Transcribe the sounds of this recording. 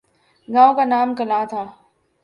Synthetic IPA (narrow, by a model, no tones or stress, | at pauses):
ɡãːõkanaːmkɐlaːt̪ʰaː